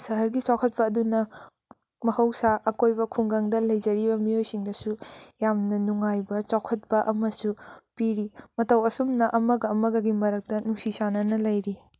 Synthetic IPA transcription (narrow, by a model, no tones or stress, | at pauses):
sɐɦɐɾɡit͡ʃawkʰɐt̚pɐːdunɐ | mɐhɐwsaʔɐkojbɐkʰuŋɡɐŋdɐlɐjd͡ʒɐɾibɐmijojsiŋdɐsujamnɐnuŋajbɐt͡ʃakʰɐt̚pɐʔɐmɐsupiɾimɐtɐwɐsumnɐʔɐmɐɡɐːmɐɡɐɡimɐɾɐk̚tɐnuŋsisanɐnɐlɐjɾi